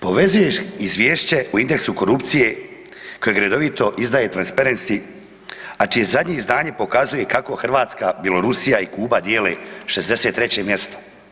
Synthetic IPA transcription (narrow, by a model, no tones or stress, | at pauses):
po̞ʋe̞zujeʃizʋʲjeːʃt͡ɕe̞uind̪eksuko̞ɾupt̪sije̞ | ko̞jeɡɾed̪o̞ʋit̪o̞ʔizd̪aːjet̪ɾanspaɾensi | at͡ʃije̞zad̪ɲe̞izd̪aːɲe̞po̞kazuje̞kako̞xr̩ʋaːt̪skabjelˠo̞ɾusijaikuːbad̪jeːleʃe̞zd̪e̞set̪ːɾet͡ɕe̞mje̞st̪o